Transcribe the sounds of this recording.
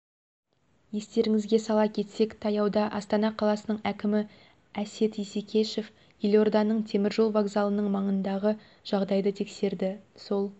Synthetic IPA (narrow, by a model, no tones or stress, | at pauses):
je̞st̪e̞ɾɪŋɪzɡʲe̞sɑlˠɑpkʲʰe̞t̪se̞kt̪ʰɑjɑwd̪ɑʔɑst̪ɑnɑqʰɑlˠɑsənəɴækʲɪmɪ | æset̪isekʲʰe̞ʃe̞f | jelʲo̞rd̪ɑnəɴt̪ʰe̞mɪɾʒo̞lˠvaɡzɑlˠənəɴmɑɴənd̪ɑʁə | ʒ̥ɑʁd̪ɑjd̪ət̪ʰe̞kse̞ɾd̪ɪso̞lˠ